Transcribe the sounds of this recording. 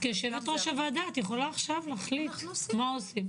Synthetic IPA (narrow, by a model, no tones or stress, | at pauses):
keʃevet̪ʁoʃavad̪at̪jeχo̞laːχʃavlaχlit̪maosim